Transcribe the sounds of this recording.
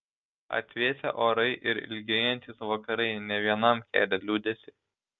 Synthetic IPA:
ɐ̰t̪ʲʋʲeːsʲɛʔoːɾɐɪʔɪɾɪ̰lʲɡʲɛjɛnʲt̪ʲisʋɐkɐɾɐɪnʲɛʋʲiɛnɐmkʲæ̰ːlʲɛlʲuːd̪ʲɛsʲɪ

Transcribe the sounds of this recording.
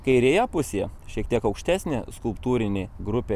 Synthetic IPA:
kɐɪɾʲeːjɛpʊsʲejɛʃʲiːɛk̚t̪ʲiɛkɐʊkʃʲt̪ʲæːsʲnʲeskʊlˠpt̪uːɾʲɪnʲeːɡɾʊpʲeː

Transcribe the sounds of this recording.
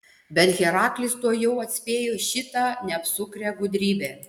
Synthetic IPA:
bʲɛt̪ɣʲɛɾɑːklʲɪst̪uɔjɛʊɐt̪ʲsʲpʲeːjoːʃʲɪt̪ɑːnʲɛɐpsʊkɾʲɛːɡʊd̪ʲɾʲiːbʲeː

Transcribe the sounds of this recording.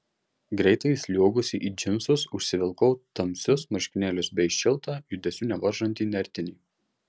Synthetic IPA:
ɡɾʲɛɪt̪ɐɪsʲlʲuɔɡʊsʲɪʔiːd͡ʒʲɪmsʊsʊʃʲsʲɪʋʲɪlˠkɐʊt̪ɐmʲsʲʊsmɐʃʲkʲɪnʲæːlʲʊsbʲɛɪʃʲʃʲɪlˠˑt̪ɑːjʊd̪ʲɛsʲuːnʲɛʋɐɾʒɐnʲt̪ʲiːnʲɛɾʲt̪ʲɪnʲiː

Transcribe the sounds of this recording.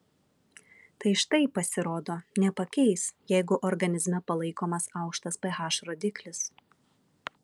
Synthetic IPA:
t̪ɐɪʃt̪ɐɪpɐsʲɪɾoːd̪oːnʲɛpɐkʲɛɪsjɛɪɡʊʔɔɾɡɐnʲɪzʲmʲɛpɐlˠɐɪkoːmɐsɑˑʊkʃt̪ɐspɐɦɑːʃɾoːd̪ʲɪklʲɪs

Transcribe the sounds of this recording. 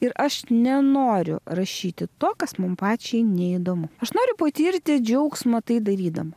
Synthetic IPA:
ɪɾɐʃnʲɛnoːɾʲʊ̰ɾɐʃʲiːt̪ʲɪt̪oːkɐsmʊmpɑːt͡ʃʲɛɪnʲɛid̪oːmʊɐʃnoːɾʲʊpɐt̪ʲiːɾʲt̪ʲɪd͡ʒʲɛʊksmɐt̪ɐɪd̪ɐɾʲiːd̪ɐmɐ

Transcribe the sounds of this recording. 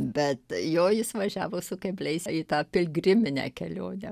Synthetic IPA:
bʲɛt̪joːjɪsʋɐʒʲæːʋoːsʊkɐbʲlʲɛɪsiːt̪ɑːpʲɪlʲɡrʲɪmʲɪnʲæ̰ːkʲɛlʲoːnʲɛ

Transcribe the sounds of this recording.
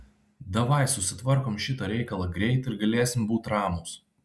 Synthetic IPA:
d̪ɐʋɐɪsʊsʲɪt̪ʋɐɾkoːmʃʲɪt̪ɐɾʲɛɪkɐlˠɐɡɾʲɛɪt̪ɪɾɡɐlʲeːsʲɪmbuːt̪ɾɑːmoːs

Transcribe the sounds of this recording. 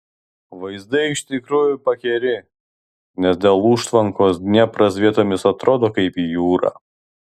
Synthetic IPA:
ʋɐɪzd̪ɐɪɪʃt̪ʲɪkɾuːjʊpɐkʲɛɾʲɪ | nʲɛsd̪ʲeːlˠuːʃt̪ʋɐŋkoːsnʲɛpɾɐs̬ʲʋʲiɛt̪oːmʲɪsɐt̪ɾoːd̪oːkɐɪpijuːɾɑ̰ː

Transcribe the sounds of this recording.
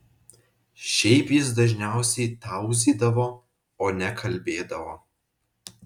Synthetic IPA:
ʃʲɛɪpjɪsd̪ɐʒʲnʲæˑʊsʲɛɪt̪ɑˑʊzʲiːd̪ɐʋoː | oːnʲɛkʰɐlʲbʲeːd̪ɐʋoː

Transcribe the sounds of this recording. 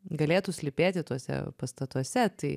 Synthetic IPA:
ɡɐlʲeːt̪ʊsʲlʲɪpʲeːt̪ʲɪt̪uɔsʲɛ̰pɐst̪ɐt̪uɔsʲɛt̪ɐɪ

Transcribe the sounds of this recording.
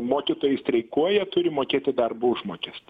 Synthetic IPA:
moːkʲɪt̪oːjɛsʲt̪ʲɾʲɛɪkuɔjɛt̪ʊɾʲɪmoːkʲeːt̪ʲɪd̪ɐrbuʊʒmoːkʲɛs

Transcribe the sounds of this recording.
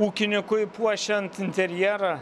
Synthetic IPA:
uːkʲɪnʲɪkʊɪpuɔʃʲɛnt̪ɪnʲt̪ʲɛɾʲjɛːɾɐ

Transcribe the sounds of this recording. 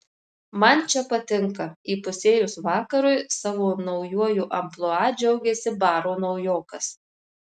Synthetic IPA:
mɐnt͡ʃʲɛpɐt̪ʲɪŋkɐiːpʊsʲeːjʊsʋɑːkɐɾʊɪsɑːʋoːnɒʊjuɔjuːʔɐmplˠoɑːd͡ʒʲɛʊɡʲɛsʲɪbɑːɾoːnɐʊjoːkɐs

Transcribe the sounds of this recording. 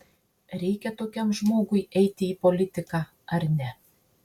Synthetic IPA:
ɾʲɛjkʲɛt̪okʲɛmʒmoɡujɛjt̪ʲɪipolʲit̪ʲɪkɑ | ɐɾʲnʲæ

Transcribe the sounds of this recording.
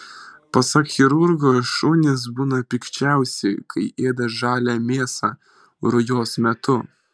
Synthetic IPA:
pɐsɐkxʲɪɾʊɾɡoːʃuːnʲɪs̬buːnɐpʲɪkt͡ʃʲæˑʊsʲɛkʰɐɪʔeːd̪ɐʒɑːlʲæmʲeːsɑ | ɾʊjoːsmʲɛt̪ʊ

